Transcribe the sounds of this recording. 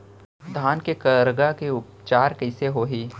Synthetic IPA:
d̪ʱaːnkekəɾəɡakeʊp̚ | t͡ʃaːɾkəɪseɦoːɦiː

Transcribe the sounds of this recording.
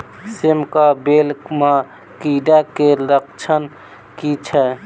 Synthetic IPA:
semkabelkma | kiɖakelək̚t͡ʃʰən | kit͡ʃʰɛ

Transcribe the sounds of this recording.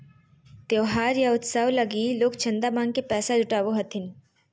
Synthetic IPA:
t̪joːɦaːɾjaʊt̪saːwlɐɡiːloːkt͡ʃʰɐ̃nd̪amãːŋɡkepɛːsad͡ʒʊʈaːʋoɦɐt̪ʰɪn

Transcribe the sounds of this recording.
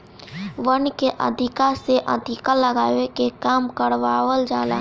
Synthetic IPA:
ʋənkeʔə̰d̪ʱɪkaseʔə̰d̪ʱɪkaləɡaːʋekekaːmkəɽʋaːʋəld͡ʒaːla̰

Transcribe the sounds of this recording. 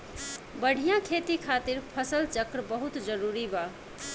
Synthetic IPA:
bəɽ̤ʱijãkʰet̪ikʰat̪iɾpʰəsəlt͡ʃəkɾəbəɦut̪d͡ʒəɾuɾiba

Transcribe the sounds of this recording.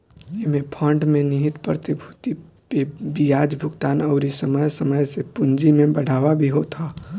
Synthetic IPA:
emẽpʰə̃ɳɖmẽnɪɦɪt̪pɾət̪ɪbʱut̪i | pebijaːd͡ʒbʱʊɡt̪aːnəʊɾisəməjsəməjsepʊnd͡ʒimẽbəɽ̤ʱaːʋabʱiɦot̪ʰaː

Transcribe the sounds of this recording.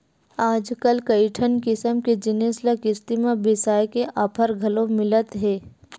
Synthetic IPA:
aːd͡ʒkəlkɐɪʈʰənkɪsəmked͡ʒɪneːsləkɪst̪imãbɪsaːjkeʔaːpʰəɾɡʱɐlõmɪlət̪ɦɛː

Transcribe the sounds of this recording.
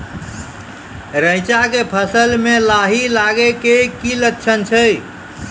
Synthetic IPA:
ɾəɪt͡ʃakepʰəsəlmelaɦilaɡekekiləkt͡ʃʰənt͡ʃʰə

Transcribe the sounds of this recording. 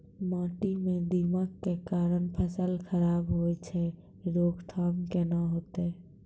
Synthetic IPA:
mãːʈimẽd̪imakkːekaːɾənpʰəsəlkʰəɾaːbɦoːet͡ʃʰɛ | ɾoːɡt̪ʰaːmkenaɦoːt̪e

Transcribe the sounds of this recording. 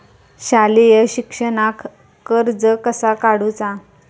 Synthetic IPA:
ɕalijəɕikʂənakː | əɾd͡zəkəsakaɽut͡sa

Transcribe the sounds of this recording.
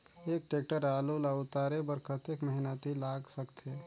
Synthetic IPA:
eːk̚ʈeːk̚ʈəɾaːlulaʊt̪aːɾebəɾkʰət̪ekməɦinat̪ilaːɡsəkt̪ʰe

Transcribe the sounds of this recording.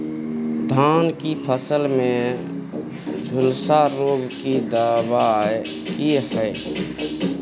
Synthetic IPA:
d̪ʱaːnkipʰəsəlmẽ | d͡ʒʱʊlsaɾoːɡkid̪aːba | ehɛː

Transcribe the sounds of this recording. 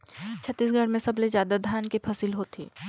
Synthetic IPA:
t͡ʃʰɐt̪ːiːsɡʱɐɽmẽsɐblezjaːd̪ad̪ʱjaːnkepʰɐsiːlɦoːt̪ʰḭː

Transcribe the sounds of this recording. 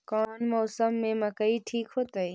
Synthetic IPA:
kɔːnmɔːsəmːẽmɐkəiʈʰiːkɦoːt̪əe

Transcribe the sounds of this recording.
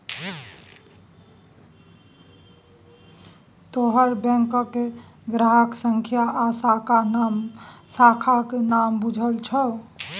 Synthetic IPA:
t̪oɦəɾbɛ̃ŋkkeɡɾaɦəksəŋkʰjaʔːsakamsakʰakenambud͡ʒʱəlt͡ʃʰə

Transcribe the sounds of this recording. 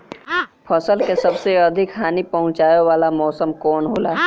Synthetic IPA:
pʰɐsəlkesɐbseɐd̪ʱɪkɦaːnipɐɦʊ̃t͡ʃaːjowaːlamɔːsəmkɔːnɦoːlaː

